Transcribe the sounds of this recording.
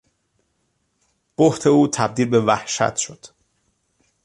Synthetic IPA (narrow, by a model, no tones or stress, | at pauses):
b̥oht̪ʰe̞uːt̪ʰæb̚d̪iːlbe̞væhʃæ̰t̪ʰʃo̞d̪̥